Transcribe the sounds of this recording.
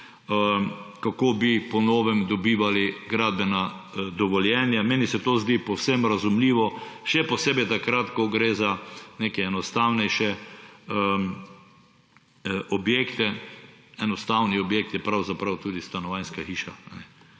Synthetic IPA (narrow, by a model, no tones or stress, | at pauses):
əkakoːbipɔnoːʋɛmd̪ɔbiːʋaliɡɾaːd̪̚bɛnad̪ɔʋɔljɛːnjameːnisɛt̪oːzd̪iːpɔwsemɾazumliːʋɔʃɛpɔseːbɛt̪akɾat̪kɔɡɾeːzanekɛɛnɔst̪awnɛjʃɛ | ʔɔbjeːkt̪ɛ | ɛnɔst̪awniɔbjek̚t̪jɛpɾawzapɾawt̪uːd̪ist̪anɔʋajnskaxiːʃaanɛ